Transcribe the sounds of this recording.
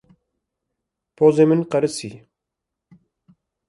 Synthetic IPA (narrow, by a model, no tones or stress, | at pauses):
pʰoːzeːmɨnqɐɾɨsḭː